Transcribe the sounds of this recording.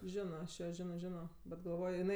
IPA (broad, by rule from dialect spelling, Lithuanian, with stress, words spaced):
ˈʒʲɪnoː ɐʃ ˈjoː ˈʒʲɪnoː ˈʒʲɪnoː bʲɛt ɡɐlˠˈʋoːjoː jɪˈnɐɪ